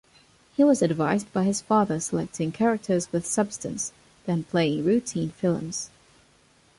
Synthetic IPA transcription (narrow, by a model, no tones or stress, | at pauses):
hiwʌzɨdvaɪzbaɪɨz̥fɑðə˞səlɛk̚tʰɪ̃ŋkʰɛɹɨk̚tʰə˞zwɨð̥sʌb̥stɨ̰̃ns | ðɨ̃npʰl̥eɪɪ̃ŋɹʉtʰĩnfɪlˠə̰̃mz̥